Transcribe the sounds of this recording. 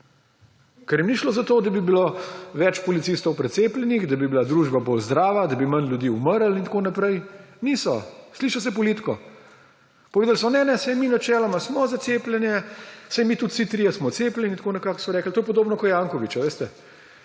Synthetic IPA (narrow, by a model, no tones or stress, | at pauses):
kɛɾjɛmniʃlozat̪oːd̪abibiloʋɛt͡ʃpɔlit̪ist̪ɔwpɾɛt̪seːplʲɛnixd̪abibilad̪ɾuʒbabolzd̪ɾaːʋad̪abimanljud̪iːuməɾəlint̪akonapɾɛjnisɔsliːʃas̬ɛpɔlit̪kɔ | pɔʋeːd̪alsɔnɛnɛsɛjminat͡ʃɛːlɔmasmɔzat̪seːplʲɛnjɛsɛjmit̪ut̪sit̪ɾiːjɛsmɔt̪seːplʲɛnʲit̪konɛkaksɔɾɛːkl̩t̪oːjɛp̬ɔd̪oːbnɔkɔjaːŋkɔʋit͡ʃaʋeːst̪ɛ